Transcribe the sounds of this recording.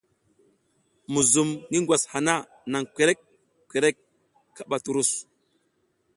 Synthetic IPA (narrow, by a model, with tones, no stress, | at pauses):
mu˨zu˨mni˦ŋɡʷwa˨sha˨na˦ | na˨ŋke˨ɾe˦k̚ | kʷe˨ɾe˦kː | a˦ɓa˨tu˨ɾu˦˨s